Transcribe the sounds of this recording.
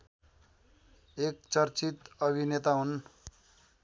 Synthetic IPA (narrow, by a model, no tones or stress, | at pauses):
ek̚t͡sʌrt͡sit̪ʌbʱinet̪aɦun